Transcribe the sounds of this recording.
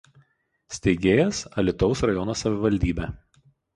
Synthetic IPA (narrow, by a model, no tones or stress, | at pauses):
sʲt̪ʲɛɪɡʲeːjɛsɐlʲɪt̪ɒʊsɾɐjɔnosɐʋʲɪʋɐlʲd̪ʲiːbʲæ